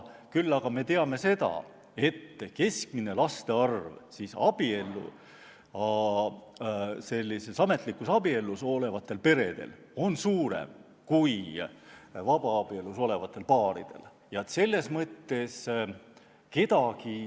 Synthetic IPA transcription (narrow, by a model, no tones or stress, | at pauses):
kylːɑɡ̥ɑme̞t̪e̞ɑme̞se̞d̪ɑ̰ | e̞t̪ːke̞skmine̞lɑst̪e̞ɑrvsisɑb̥ie̞lːṵ | ɑ | se̞lʲːise̞sɑme̞t̪ˑlikːˑusɑbie̞lːuso̞le̞vɑt̪ːˑe̞lpe̞ɾe̞d̪̥ḛl | o̞nsuːɾe̞̰m | kuj | vɑb̥ɑɑb̥ie̞luso̞le̞vɑt̪ːˑe̞lpɑːɾḭd̪̥e̞̰l | jɑt̪se̞lːe̞smɤt̪ːe̞s | ke̞t̪ɑɡ̥i